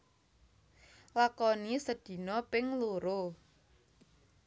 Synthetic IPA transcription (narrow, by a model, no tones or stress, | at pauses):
lakɔnisəd̪̥i̤nɔpɪŋluɾo